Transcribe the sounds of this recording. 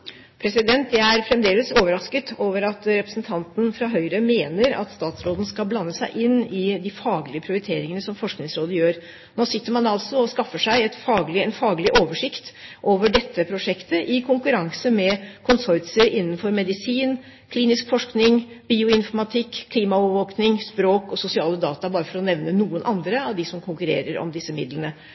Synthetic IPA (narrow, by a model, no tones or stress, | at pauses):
pʰɾɛsɪd̪ɛnt̪jæɪæɾfɾɛmd̪eːləsoːʋəɾɑskət̪ʰoːʋəɾɑt̪ɾɛpɾəsn̩t̪ʰɑnt̪n̩fɾɑɦœʏɾəmeːnəɾɑ̰t̪st̪ɑːt̪sɾoːd̪n̩skɑlblɑnːəsæɪʔɪnːɪd̪ɪfɑːɡlɪəpʰɾɪʊɾɪt̪ʰeːɾɪŋənəsɔmfɔʂknɪŋsɾoːd̪əjøːɾ | noːsɪt̪ːəɾmɑnɑlsɔɔskɑfːəʂæɪɛt̪fɑːɡlɪɛnfɑːɡlɪʔoːʋəʂɪkt̪ʔoːʋəɖɛt̪ʰːəpʰɾʊʂɛkt̪əʔɪkʰʊŋkʉɾɑŋsəmɛkʰʊnsɔʏt̪səɾɪnːənfɔɾmɛd̪ɪsiːn | kʰliːnɪskfɔʂknɪŋ | b̥iːʊɪnfɔɾmɑt̪ʰɪkʰːliːmɑɔʋəʋoːknɪŋspɾoːkɔsʊsɪɑːləd̪ɑːt̪ɑbɑːɾəfɔɾɔnɛʋnənuːənʔɑnd̪ɾəɑʋd̪ɪsɔmkʰʊŋkʉɾḛːɾəɾɔ̰md̪ɪsːəmɪd̪lənə